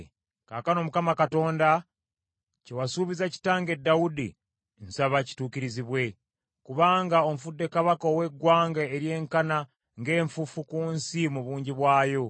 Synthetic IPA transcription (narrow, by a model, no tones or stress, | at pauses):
kaːkano̞mukamakato̞ːnda | cewasuːβizaci̥taːŋɡe̞dːawudḭ | nsaβaci̥tuːkiɾiziβwe̞ | kuβaːŋɡao̞mfudːe̞kaβakowe̞ɡwaːŋɡaeɾje̞ːŋkana | ŋɡe̞ːɱfufukuːnsimuβuːɲɟiβwaːjo̞